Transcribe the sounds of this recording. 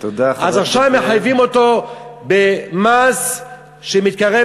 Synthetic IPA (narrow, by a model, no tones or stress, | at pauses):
t̪od̪aazaχʃavmeħajvimo̞t̪o̞bemas | ʃemit̪̚kaʁe